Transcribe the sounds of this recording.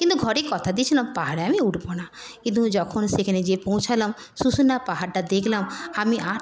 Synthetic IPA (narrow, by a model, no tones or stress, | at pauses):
kint̪uɡʱɔɾekɔt̪ʰad̪iet͡ɕʰilampaɦaɽeamiuɖbona | kĩnt̪ud͡ʒɔkʰonsekʰaned͡ʑepõw̃t͡ʃʰalam | susunapaɦaɾʈad̪ekʰlamamiʔa